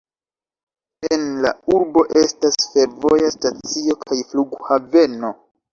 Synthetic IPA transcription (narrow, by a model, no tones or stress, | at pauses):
e̞nla̰uɾbo̞ʔe̞stasfe̞ɾvo̞jastat͡sio̞kʰajfluɡhave̞no̞